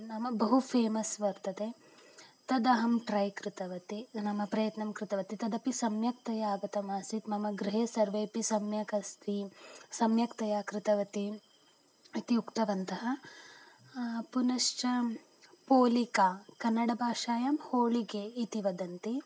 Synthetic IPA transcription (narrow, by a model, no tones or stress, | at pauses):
nɐmːɐbɐɦupʰeːmɐsʋɐɾt̪ɐd̪e | t̪ɐd̪ɐɦɐmʈɾɐjkɾɪt̪ɐʋɐt̪inɐmːɐpɾɐjɐt̪nɐmkɾɪt̪ɐʋɐt̪it̪ɐd̪ɐpisɐmjɐk̚t̪ɐjaːɡɐt̪ɐmaːsit̪mɐmɐɡɾiɦeːsɐɾʋeːpisɐmjɐkɐst̪ʰisɐmjɐkt̪ɐjaːkɾɪt̪ɐʋɐt̪i | it̪iukt̪ɐʋɐnt̪ɐɦɐ | punɐʂt͡ʃɐ | poːlikaːkɐnːɐɽɐbʱaːʂaːjɐmhoːɭiɡeːit̪iʋɐd̪ɐnt̪i